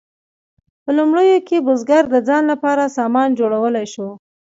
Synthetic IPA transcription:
pəlumɽəjokebʊzɡaɾd̪əd͡zɑnlapɑɾasɑmɑnd͡ʒoɽawəlajʃo

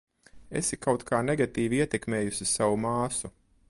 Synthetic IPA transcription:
ḛsikawt̪kʰaːneɡat̪iːviiɛt̪ekmeːjusʲisawumaːsu

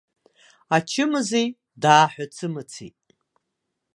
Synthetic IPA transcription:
at͡ʃʰɪmɨzej | daːħʷᶣat͡sʰɨmɨt͡sʰḭtʼ

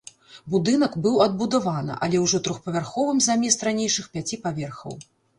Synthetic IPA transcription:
bud̪ɨnɐkbɨwɐd̪̚bud̪avanɨ̰ʔɐlʲɛwʐɔt̪ɾɔxpɐvʲarxɔvɨmzamʲɛst̪ɾanʲejʂɨxpʲat͡sʲipavʲɛrxɐ̰w

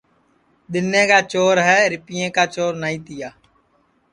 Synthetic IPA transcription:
ɗ̪ɪnːẽːkaːt͡ʃoːɾɦɛːɾɪpijẽːkaːt͡ʃoːɾnaːĩːt̪ɪjaː

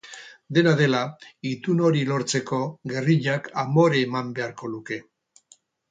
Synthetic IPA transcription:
d̪e̞naðe̞lait̪uno̞ɾilo̞ɾt͡se̞ko̞ɣe̞riʎakamo̞ɾeːmambe̞aɾko̞luke̞

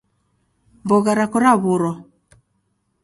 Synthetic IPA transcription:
mbɔɣaɾakɔɾaβuɾɔ

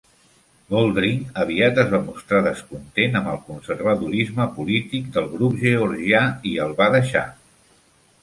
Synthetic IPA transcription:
bolˠd̪ɾiŋəβ̞iat̪əzβamust̪ɾaðəskunt̪enəmbəlˠkunsəɾβəðuɾizməpulit̪ik̚d̪əlˠɣɾupʒəɔɾʒiaiəlˠβaðəʃa̰

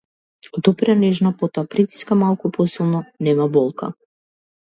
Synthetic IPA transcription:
d̪ɔpɾanɛʒnapɔt̪ɔapɾit̪i̥skamalˠkupɔsilˠnɔnɛmabɔlˠka̰

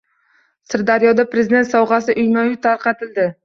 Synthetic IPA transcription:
sɪɾd̪aɾjɒd̪apɾe̞zɪd̪e̞nt̪sɒwʁɑs̬ɪʔʊjnɒjʊt̪ʰaɾqɑt̪ʰɪld̪ɪ

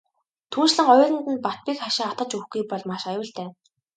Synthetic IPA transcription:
t̪ʰuːnt͡ɕɮə̆ŋɔjrə̆nt̪ɘ̆npat̪̚piːkχaʃɪ̆ŋat̪ə̆t͡ɕuxɡujpɔɮmaʃajʊːɬt̪eː

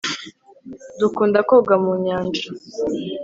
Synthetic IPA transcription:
dukuːndakoɡamuɲaːnd͡ʒa

